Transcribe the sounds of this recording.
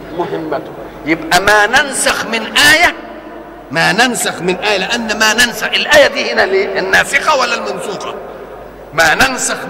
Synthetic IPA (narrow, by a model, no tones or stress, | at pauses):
mʊɦɪmːat̪ | jɪbʔamaːnansɑxmɪnʔaːja | maːnansɑxmɪnʔaːjalɪʔanːamaːnansaxʔɪlʔaːjad̪iːhɪnalinːaːsɪqawalːalmansuːqɑ | maːnansɑx